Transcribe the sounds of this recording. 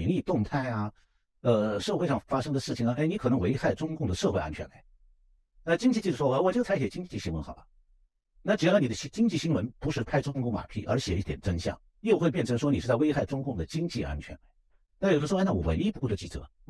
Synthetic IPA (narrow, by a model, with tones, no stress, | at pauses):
nli˥˧t̪ʊ˥˧ŋt̪ʰa˥˩ɪɐ˩ | ə˧ʂɤ˥˧xwe˥˧ʂɑ˥˩ŋfa˥ʂɤ˥ŋd̪ə˨ʂɻ̩ʰ˥˩i˩ŋɐ˧˩ʔe˥˩ɪni˧˥kʰɤ˨˩ɤ˧˥ŋwe˧˥ɪxa˥˩ɪʈ͡ʂʊ˥ŋkʊ˥˩ŋd̪ə˩ʂɤ˥˧xwe˥˧ɪa̰˥nt͡ɕʰɥɛ̰˧˥nla˧˦ɪ | na˥˩t͡ɕi˥ŋt͡ɕi˥˧t͡ɕi˥˩ʂu˥˩ɔ˥˩˧wɔ˨˩t͡ɕo˥˩t͡sʰa˥ɪɕjɛ˨˩t͡ɕi˥ŋt͡ɕi˥˩t͡ɕi˥˩ɕi˥ŋwə˧˥nxɑ˨˩ʊlɐ̰˦ | na˥˩t͡ɕi˧˥ni˨˩d̪ə˦ɕt͡ɕi˥ŋt͡ɕi˥˩ɕi˥ŋwə˧˥npu˧˥ʂɻ̩˥˩kʰa˥ɪʈ͡ʂʊ˥˧ŋkʊ˥˩ŋma̰˨˩pʰḭ˥˩ʔə̰˞˧˥ɕjɛ˨˩i˥˩jɛ˨˩nʈ͡ʂə˥nɕjɑ̰˥˩˦ŋ | jo˥˧ʊxwe˥˧p̬jɛ˥˩nʈ͡ʂʰɤ˧˥ŋʂwɔ˥ni˨˩ʂ̩ɻ̩˥˧˩t͡sa˥˩we˥ɪxa˥˩ɪʈ͡ʂʊ˥ŋkʊ˥˩ŋd̪ə˩t͡ɕi˥ŋt͡ɕi˥˧a̰˥nt͡ɕʰɥɛ˧˥nla˧˥˦ɪ | n˥˩jo˨˩˥na˥˩wɔ̰˨˩wə̰˧˥ni˥pu˧˥˩ʈ͡ʂə˧˩t͡ɕi˧˩t͡sʰɤ̰˧˥˦